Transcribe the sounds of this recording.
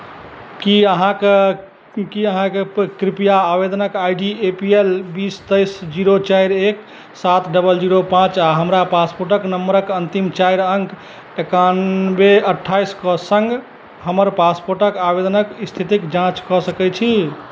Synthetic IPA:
kiəɦãke | kiəɦãkekɾipijaːbed̪ənəkajɖiepielbist̪əjsd͡ʒiɾot͡ʃajɾek | sat̪ɖəbəld͡ʒiɾopãt͡ʃaɦəmɾapaspoɾʈəknəmːəɾəkənt̪imt͡ʃajɾəŋk | ekanbeəʈʰːajskɔsəŋɡ | həməɾpaspoɾʈəkabed̪ənəkst̪ʰit̪ikd͡ʒãt͡ʃkɔsəkɛt͡ʃʰi

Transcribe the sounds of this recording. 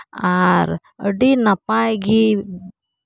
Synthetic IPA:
aɾ | əɖinapajɡi

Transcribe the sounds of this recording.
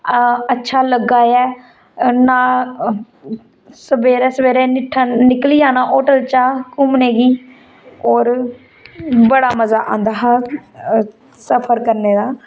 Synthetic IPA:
ətːʃʰaːləɡaːɛː | naː | səbeːɾɛːsəʋeːɾẽːnɪʈʰaːnɪkliːãːnaːʔɔːʈəlt͡ʃaːkʊmneːɡiː | ɔːɾ | bəɽaːməzaːʔã̰ːnd̪aːɦa | səpʰəɾkəɾneːd̪aː

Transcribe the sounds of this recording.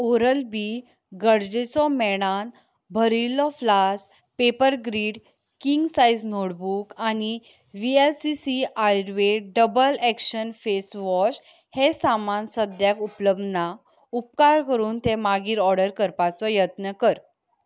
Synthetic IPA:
oɾəlbi | ɡəɽd͡zet͡sɔmɛɽ̃an | bʱəɾilɔflas | pepəɾɡɾiːɽ | kiŋɡsajd͡znoɽbukañi | ʋielsisiajɾʋeɖəbəlɛkɕənfesʋɔɕ | hesamansəd̪jakupləbna | up̚kaɾkəɾuːnt̪emaɡiːɾɔɾɽəɾkəɾpat͡sɔjət̪nəkəɾ

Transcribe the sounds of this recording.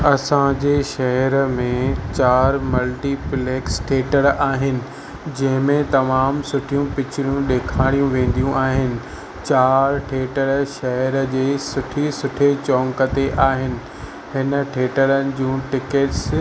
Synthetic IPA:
ɐsãd͡ʑeːʃɐɦɛɾmẽt͡ɕaːɾmɐlʈipleːksʈʰeːʈəɽaːɦɪnɪ̆ | d͡ʑɐ̃ɦɪ̃mẽt̪ɐmaːmsʊʈʰijũpɪt͡ɕɪɾijũɗeːkʰaːɽ̃ijũʋẽːn̆d̪ijũʔaːɦɪnɪ̆ | t͡ɕaːɾʈʰeːʈəɽʃɐɦəɾəd͡ʑeːsʊʈʰisʊʈʰet͡ɕɔ̃ːŋkət̪eʔaːɦɪnɪ̆ | ɦɪnə̆ʈʰeːʈəɾənɪ̆d͡ʑũːʈɪkeʈs

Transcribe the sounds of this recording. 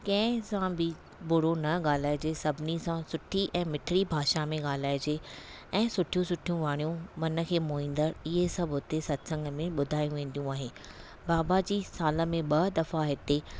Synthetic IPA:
kɐ̃ɦsãbɪ | bʊɽ̤onɐɠaːl̤aːɪd͡ʑesɐbʱɪnisãsʊʈʰiʔɛ̃ːmɪʈʰɪɾibʱaːʃamẽɠaːl̤aːɪd͡ʑeː | ɛ̃ːsʊʈʰijũsʊʈʰijũʋaːɽ̃ijũmɐnə̆kʰeːmoːĩːnd̪əɾɪɦesɐbʱʊt̪esɐt̪sə̃ŋɡəmẽɓʊd̪ʱaːjũʋẽːn̆d̪ijũaːɦe | baːbad͡ʑiːsaːlə̆mẽɓɐd̪ɐfaɦɪt̪e

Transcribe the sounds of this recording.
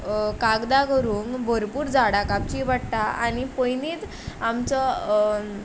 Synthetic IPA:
kaɡd̪akəɾuːŋkbʱəɾpuːɾd͡zaɽakap̚t͡ɕibaɽʈ̪aa̰nipəjniːt̪ | amt͡sə

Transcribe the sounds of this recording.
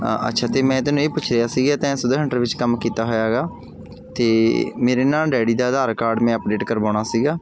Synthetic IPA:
ʔə̰tːʃʰaːt̪eːmɛ̃ːt̪ɛ̃ːnũːeːpʊt͡ʃʰɾejaːsiːɡaːt̪ɛ̃ːsʊd̪ːɦəɳʈəɾʋɪt͡ʃkəmkiːt̪aːɦoːjaːɡaː | t̪eːmeːɾeːnaːlɖɛːɽiːd̪aːd̪aːɾkaːɾɖmɛ̃ːəp̚ɖeːʈkəɾbaːɽ̃aːsiːɡaː

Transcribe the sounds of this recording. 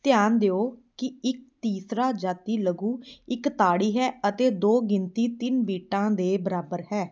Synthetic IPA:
t̪ɪjaːnd̪eːoːkɪɪk̚t̪iːsɾaːd͡ʒaːt̪iːləɡũːɪkt̪aːɽiːɦɛːət̪eːd̪oːɡɪnt̪iːt̪ɪnbiːʈãːd̪eːbəɾaːbəɾɦɛː

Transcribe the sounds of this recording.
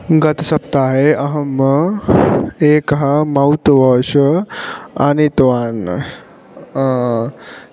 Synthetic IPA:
ɡɐt̪sɐp̚t̪aːɦeʔɐɦəmə | eːkɦamɐwt̪ʋɐːʃə | anit̪ʋaːn

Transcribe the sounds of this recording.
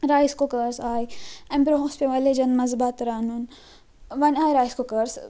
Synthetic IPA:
ɾaːjskokəɾsaːjɛ̃mbɾoɦõːspʲeʋaːled͡ʒɐnmɐzbat̪ɾaːnun | ʋɐnaːjɾaːjskokɐɾs

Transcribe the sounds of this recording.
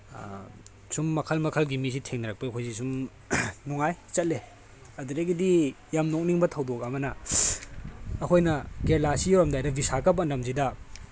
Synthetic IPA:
sumːɐkʰɐlmɐkʰɐlɡimis̬itʰeŋnɐɾɐk̚pɐɐkʰojs̬isum | nuŋajt͡ʃɐt̚le | ɐduɾeɡidi | jamnok̚niŋbɐtʰɐwdok̬̚ɐmɐnɐ | kʰojnɐkeɾlasioɾɐmdajdɐbisakɐpɐndɐmzidɐ

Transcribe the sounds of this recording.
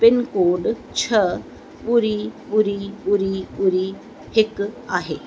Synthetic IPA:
pɪnkoːɖ | t͡ʃʰə | uɾibuɾibuɾibʊɾi | hɪkaːɦeː

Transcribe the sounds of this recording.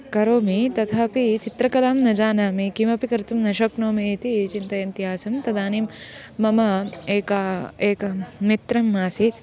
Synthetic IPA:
kɐɾoːmit̪ɐt̪ʰaːpit͡ʃit̪ɾɐkɐlaːmnɐd͡ʒaːnaːmikimɐpikɐɾt̪umnɐʃɐknoːmet̪it͡ʃint̪ɐjint̪iɦaːsɐmt̪ɐd̪aːniːmːɐmɐeːkaːeːkɐmit̪ɾɐmːaːsit̪

